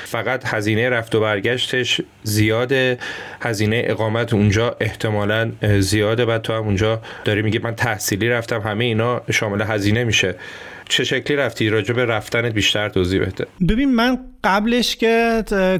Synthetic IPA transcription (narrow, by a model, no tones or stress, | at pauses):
fæɣæt̪hæziːnejeɾæft̪obæɾɟæʃt̪ʰe̞ʃ | zijɒːd̪e̞hæziːne̞jḛʔeɣɒːmæt̪ʰund͡ʒɒːʔe̞ht̪ʰe̞mɒːlænzijɒːd̪ebæd̪t̪ʰohæmund͡ʒɒːd̥̪ɒːɾiːmiɟimænt̪ʰæhsiːliːɾæft̪ʰæmɦæme̞jeiːnɒːʃɒːme̞leɦæziːne̞miːʃe | t͡ʃʰe̞ʃecʰliːɾæft̪ʰiːɾɒːd͡ʒe̞be̞ɾæft̪ænet̪̚biːʃt̪æɾt̪ʰoːziːbed̪̥ḛbebiːnmænɢ̥æbleʃce